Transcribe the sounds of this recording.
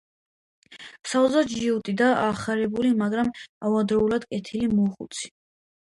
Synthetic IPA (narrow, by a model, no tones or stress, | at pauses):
sauzad̪ʒiut̪ʼid̪aʔaχaɾɛbulimaɡɾamavad̪ɾɔulad̪̥kʼɛt̪ʰilimɔχṵt̪sʰi̥